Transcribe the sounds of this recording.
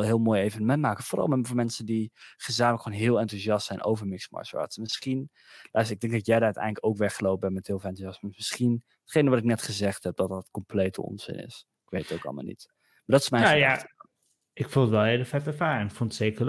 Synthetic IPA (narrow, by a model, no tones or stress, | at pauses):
lˠɦɪːlˠmoːjejvənəmɛntmaːkəforʔɑ̰lˠmɛvoːɹmɛnsəndiχəzaːmələkχonɦɪːlˠɑntyzjɑstsɛjnʔo̰wvəɹmɪksmɔ̰ɹʃɔ̰ɹtsmɪsχin | lʔasɪɡ̚dɛŋɡ̚dɑtjɛjdaœtɛ̰jnləkowkʋɛχəlowp̚bɛnmɛthɪːlˠfˠɑntyjɑsəmmɪsχin | ətχejnəʋɑtɪk̚nɛtχəzɛχtɦɛp̚d̥ɑtdɑtkɔmplejtə̰ɔ̰nzɪ̰nɪ̰s | ɪkʋejtətowkɑ̰lˠma̰lˠnḭt | maɹdɔtɪ̥smɛjnja | ɪkfulˠdəʋɛlˠeləfɛtəfaːɛnɪkfunətseːkə